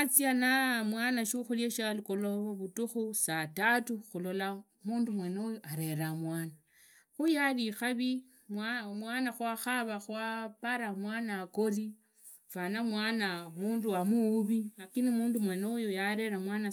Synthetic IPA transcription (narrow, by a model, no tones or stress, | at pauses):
at͡sianamwaːnaʃuxuljeʃalikoloβoβutuxusatatuxulo̞la | muːndumwe̞nojoʔaɾe̞ɾamwaːna | xujalixaβi | mamwaːnaxwaxaβaxwapaɾamwaːnako̞ri | fanamwaːnamuːnduwamuːβiakinimuːndumwenojojaɾe̞ɾamwaːna